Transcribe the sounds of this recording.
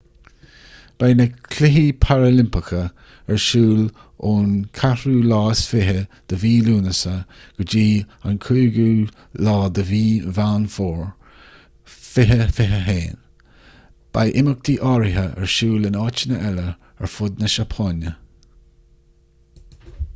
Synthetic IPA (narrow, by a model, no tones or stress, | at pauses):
b̥ajnəkʰlɪɦipʰaɹəlɪmpɪkʰə | ɛɹʃuːl | oːnkʰahuːlɑːsfɪɦəd̪̥əviːluːnəsəɡ̥əd͡ʒiːankʰuːɡuː | lɑːd̪əviːvaːnfoːɹ | fɪɦəfɪɦəɦeːn | b̥a̰jʔɪmək̚d̪̥iːʔɑːɹɪɦəʔɛ̰ɹʃuːlɪnɑːt͡ʃənəʔɛlə | ɛ̰ɹfʊd̪nəʃapʰɑːnə